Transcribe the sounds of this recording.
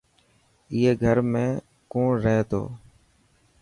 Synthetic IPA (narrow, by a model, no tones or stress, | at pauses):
ɪɦeːɡʱəɾmẽː | kõːɾəɦeːt̪o̰ː